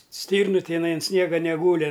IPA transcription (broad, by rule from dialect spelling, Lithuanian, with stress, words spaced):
ˈsʲtʲiːrnʊ tʲɪˈnɐɪ ɐn ˈsʲnʲiɛɡɐ nʲɛˈɡuːlʲɪ